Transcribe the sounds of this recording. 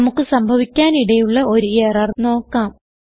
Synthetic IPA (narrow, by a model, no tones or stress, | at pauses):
mukːɨsɐmbʱɐʋikʲːaːniɽɐjuɭːɐʔo̞ɾueːrɐrno̞ːkːaːm